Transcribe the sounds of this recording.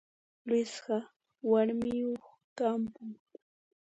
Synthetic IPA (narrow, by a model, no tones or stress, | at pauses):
lɪsɢɑ | waɾmɪjoχ | t̪ampʊŋ